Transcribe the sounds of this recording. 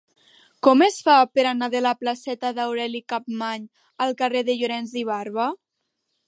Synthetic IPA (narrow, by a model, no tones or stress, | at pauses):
kɔmesfapəɾanaðəlaplasɛt̪əðawɾɛlikap̚maɲ | əlˠkəreðəʎuɾɛnziβ̞arβə